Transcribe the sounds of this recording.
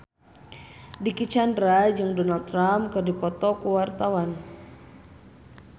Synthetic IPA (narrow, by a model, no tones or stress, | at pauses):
dikit͡ʃandɾad͡ʒɨŋdɔnald̚t̪ːɾamkɨrdipɔt̪ɔkuwart̪awan